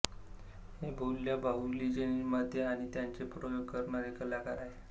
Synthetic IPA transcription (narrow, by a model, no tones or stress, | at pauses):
hebʱolːjabʱaɦulid͡ʑenimad̪ʱeaɽ̃it̪jant͡sepɾojoɡkəɾɳaɾekəlakəɾae